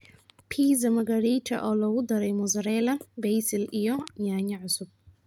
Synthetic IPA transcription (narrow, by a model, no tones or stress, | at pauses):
pʰiːzɐmɐɡɐɾitʰɐ̰ʔɔːlɐɣʊd̪ɐɾɛjmɔzɐɾɛːlɐbɛjsɪlijɔɲaːɲɐʕʊsʊb̥̚